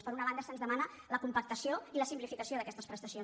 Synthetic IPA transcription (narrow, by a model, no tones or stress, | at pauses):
spəɾunəβand̪əsənzðəmanə | ləkumpək̚t̪əsioiləsimplifikəsioðəkɛst̪əspɾəst̪əsjon